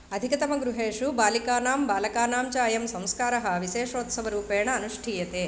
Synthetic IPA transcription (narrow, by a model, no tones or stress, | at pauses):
ɐd̪ʱikɐt̪ɐmɐɡɾuɦeːʂubaːlikaːnaːmbaːlɐkaːnaːmt͡ʃaːjɐmsɐmskaːɾɐɦɐʋiʃeːʂoːt̪sɐʋɐɾuːpeːɳɐːnuʂʈʰiːjɐt̪eː